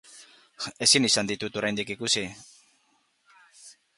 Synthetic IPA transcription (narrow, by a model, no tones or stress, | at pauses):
e̞sinisand̪it̪ut̪oɾajnd̪ikikusi